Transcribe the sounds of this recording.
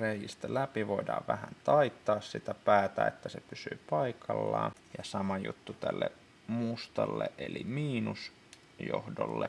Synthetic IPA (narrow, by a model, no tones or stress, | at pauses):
rejist̪ælæpiʋoidɑːʋʋæhænt̪ɑit̪ːɑːssit̪æpæːt̪æet̪ːæsepysy̰ːpɑikʰɑlːɑ̰ːjɑsɑmɑjṵt̪ːut̪ælːe | must̪ɑlːeʔelimiːnus | jo̰hdo̰lːe